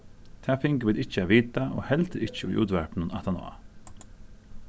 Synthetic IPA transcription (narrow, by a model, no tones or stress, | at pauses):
t̪ʰæːfɪŋkəʋɪːt̪ɪt͡ʃːəæːʋiːt̪aʔo̰ːhɛlt̪əɾɪt͡ʃəʊ̰jʔṵːt̪ʋɛɹpnʊnat̪anɔ̰ːa̰